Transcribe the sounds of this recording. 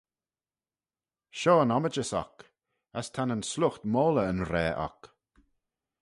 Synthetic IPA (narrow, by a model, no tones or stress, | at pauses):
ʃɔːənɔməd͡ʒəsa̰k | əst̪ʰanənslʊxt̪moːləənɾɛːʔa̰k